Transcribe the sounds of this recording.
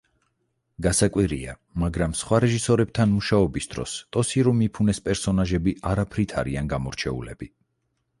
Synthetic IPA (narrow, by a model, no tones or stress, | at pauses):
ɡasakʼwiɾḭa | maɡɾamsχwaɾɛʒisɔɾɛb̥̚t̪ʰanmuʃaɔbisd̪ɾɔ̰st̪ʼɔsiɾumipʰunɛspʼɛɾsɔnaʒɛbiʔaɾapʰɾit̪ʰaɾianɡamɔɾt͡ʃʰɛ̰ṵlɛbi